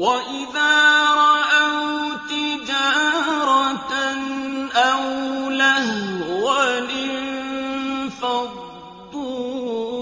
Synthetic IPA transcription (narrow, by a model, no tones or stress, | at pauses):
waʔɪðaːɾˤɑʔawt̪ɪd͡ʒaːɾˤɑnʔawlahwalɪnnn | fɑd | ʊ